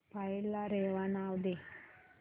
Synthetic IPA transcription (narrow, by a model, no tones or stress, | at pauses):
pailːaɾeʋanawd̪e